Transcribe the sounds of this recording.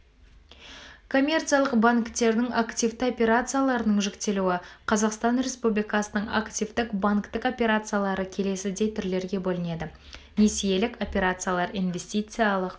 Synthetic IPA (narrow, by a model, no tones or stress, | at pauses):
kʰo̞mʲe̞rt̪sɨjalˠəqbaŋkt̪e̞ɾd̪ɪŋakt̪ivt̪ɪo̞pʲe̞ɾat̪sɨjalˠɑɾənəɴʒɪkt̪e̞luwɪqʰɑzɑqst̪ɑnrʲe̞spublʲijkɑsənəɴa̰kt̪ivt̪ɪkbaŋkt̪ɪko̞pʲe̞ɾat̪sɨjalˠɑɾəkʲʰe̞le̞sɪd̪e̞jt̪ʰʏɾle̞ɾɡʲe̞bolˠəne̞d̪ɪ | ne̞sije̞lɪko̞pʲe̞ɾat̪sɨjalˠɑɾinvʲe̞sʲt̪ʲijt̪sɨjalˠəq